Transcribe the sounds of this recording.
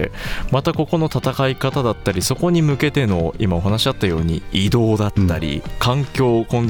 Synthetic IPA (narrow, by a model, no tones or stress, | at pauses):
emat̪ako̞ko̞no̞t̪at̪akaikat̪ad̪at̪ːaɾʲiso̞ko̞ɲ̟imɯ̟ke̞t̪e̞no̞imao̞ɦanaɕid̪at̪ːajo̞ːɲ̟ḭid̪o̞ːd̪at̪ːaɾʲḭkãŋkʲo̞ːkõ̞nd̪